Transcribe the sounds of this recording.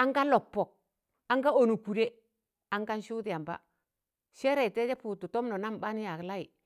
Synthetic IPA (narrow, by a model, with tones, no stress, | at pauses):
a˦ŋɡa˦lɔ˨pːɔ˨k̚ | a˦ŋɡa˦o˨nu˨ku˨ɾe˦ | a˦ŋka˦nʃu˦dɪ˨a˨mba̰˦ | ʃɛ˦ɾɛ˨tɛ˦d͡ʒɛ˦pu˨tu˨tɔ˦mnɔ˨na˦m˨ba˦n˦ja˨kla˦ji˨